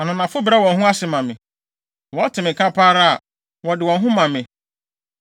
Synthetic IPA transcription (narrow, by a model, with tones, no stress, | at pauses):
a˨nʊ̃˨nã˨fʊ˦bɾa˦wɔ̃˨nɦũ˦a˦sɪ˨mã˨mɪ̃˨ | wɔ˨˦tʰɪ˨mɪ̃˨kʰa˦pʰaː˦ɾa˦a˨ | wɔ˨dɪ˨wɔ̃˨nɦũ˦mã˨mɪ̃˨